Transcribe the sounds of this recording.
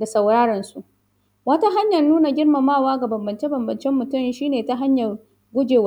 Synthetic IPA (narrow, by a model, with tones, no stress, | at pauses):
da˨sɐ˨wɽaː˦ɽɐ˨nsu˦ʔ | wɐ˦ta˦ɦa˦ɲjɐ˨rnuː˦na˨ɡʲɪ˦rma˨maː˦˨waː˦ɡa˨bɐ˨mbɐ˨nt͡ʃe˦bɐ˨mbɐ˨nt͡ʃɛ˦mːʊ˨tʊ˦m˨ʃiː˦neː˨ta˦ɦa˦ɲjɐ˨r | ɡʷʊ˦d͡ʒeː˨wa˦